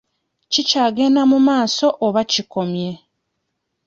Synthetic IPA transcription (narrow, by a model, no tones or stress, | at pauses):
cicaːɡeːnamumaːso̞ʔoβaciko̞mje̞